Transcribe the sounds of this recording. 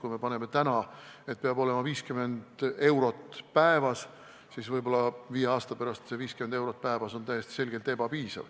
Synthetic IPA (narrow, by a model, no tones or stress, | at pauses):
kujme̞pɑne̞me̞t̪ænɑe̞t̪̚peɑbo̞le̞mɑviːskyme̞nd̪̥e̞wɾo̞t̪ːˑpæevɑs | sisvɤjbo̞lːɑviːjeɑːst̪ɑpæɾɑst̪seviːskymend̪ewɾo̞t̪̚pæevɑso̞nt̪æjest̪i̥se̞lɡ̥e̞lt̪e̞bɑpiːsɑ̰v̥